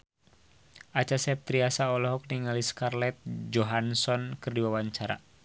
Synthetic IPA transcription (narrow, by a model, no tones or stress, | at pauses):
ʔat͡ʃasɛp̚t̪ɾiasaɔlɔɦɔk̚niŋaliskarlɛt̪̚d͡ʒɔɦansɔnkɨrdiwawaɲt͡ʃaɾa̰